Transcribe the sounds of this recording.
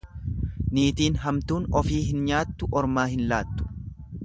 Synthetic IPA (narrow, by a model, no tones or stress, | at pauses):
niːt̪iːnɦɐmt̪uːnɔfiːɦɪnɲaːt̪ːʊʔɔɾmaːhɪnlaːt̪ːʊ̥